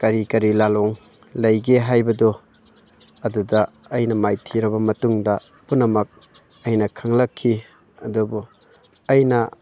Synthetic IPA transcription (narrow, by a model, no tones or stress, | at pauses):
kɐɾikɐɾilaloŋ | lɐjɡeɦajbɐdo | ɐdudɐː | jnɐmajtʰiɾɐβɐmɐtuŋdɐ | punːɐmɐk̚ | ɐjnɐkʰɐŋlɐkʰːi | ɐdubu | ɐjnɐ